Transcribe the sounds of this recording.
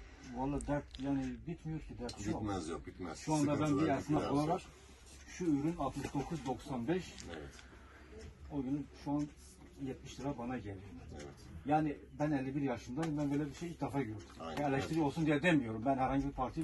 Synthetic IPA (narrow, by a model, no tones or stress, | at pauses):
alˠːaːd̪æɾt̪̚jaːnɪbit̪mijo̞ɾcʰid̪æɾt̪ʃumɛzbit̪mɛʃuand̪abænbijaɾsɯnakolˠaɾak | ʃuyɾynalˠt̪mɯʃd̪o̞kʰuzd̪o̞ksanbɛʃɛt̪ | o̞ɟynyʃuan | jɛt̪miʃt̪d̪ɯɾabanaɟelʲiɾmɛɛ | jaːnibænɛlʲːibiɾjaʃɯnd̪anbænbøːlʲɛbiɾʃejilcd̪ɛfaːɟøɾd̪y̥mɛɾlʲːɛʃt̪iɾio̞lˠsund̪ijɛd̪emijo̞ɾumbænhæɾhaɲɟibiɾpʰaɾt̪ʰi